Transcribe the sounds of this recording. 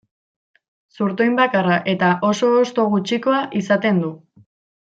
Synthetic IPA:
suɾt̪ojmbakaraʔe̞t̪aʔo̞so̞ːst̪o̞ɣ̞ut͡ʃiko̞aʔisat̪e̞nd̪u

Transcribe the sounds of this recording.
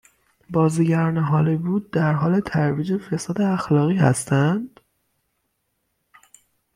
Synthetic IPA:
bɒːziːɟæɾɒːneɦɒːlebuːd̪̚ːæɾɦɒːle̞t̪ʰæɾviːd͡ʒe̞fe̞sɒːd̪e̞æxlɒːɣiːhæ̰st̪ænd̪̥

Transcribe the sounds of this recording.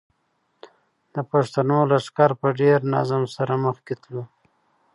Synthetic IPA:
d̪̥əpaʂt̪anolaʂkɑɾpəɖeɾna̰zamsaɾaməxket̪lu

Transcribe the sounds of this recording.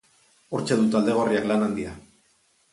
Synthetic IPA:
uɾt͡ʃe̞ðut̪ald̪e̞ɣ̞o̞riaklanand̪ia

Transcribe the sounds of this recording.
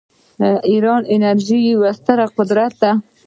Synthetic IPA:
iɾɑnɪnaɾʒiwast̪aɾaqʊd̪ɾat̪̚d̪a

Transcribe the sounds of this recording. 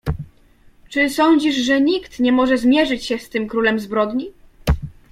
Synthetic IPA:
t͡ʂɘsɔɲd͡ʑiʐʐɛɲikt̪ɲɛmɔʐɛzmʲjɛʐɘt͡ɕɕɛst̪ɘmkɾulɛmzbɾɔd̪ɲi

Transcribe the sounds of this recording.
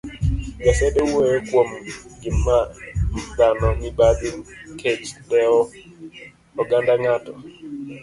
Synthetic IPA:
ɡasɛɗɛwɛkwomɡimːadanɔŋibaɗikʰet͡ʃdɛɔ | ɔɡandaŋatɔ

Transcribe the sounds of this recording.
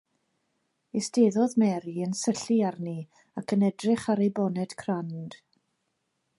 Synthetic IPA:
ɪsteðɔðmɛɾiənsəɬiarni | akʰənɛdrɪχaɾejbɔnɛd̥kʰrand̥

